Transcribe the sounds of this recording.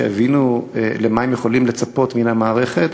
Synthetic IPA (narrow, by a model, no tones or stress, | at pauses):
ea̰vinulemaemjeχo̞limle̞t͡sapo̞tminhamaːʁeχe̞t̪